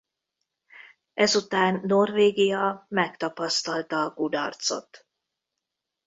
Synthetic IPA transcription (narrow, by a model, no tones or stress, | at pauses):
ɛzut̪aːnːo̞rveːɡijɒmɛkt̪ɒpɒst̪ɒlt̪ɒːkud̪ɒ̰rt̪so̞̰t̪